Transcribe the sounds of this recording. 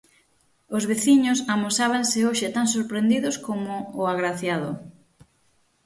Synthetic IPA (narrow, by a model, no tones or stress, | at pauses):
ozβeθiɲʊsamosaβ̞ansɪoʃɪt̪aŋs̬oɾpɾend̪iðʊskomʊːaɣɾaθjaðʊ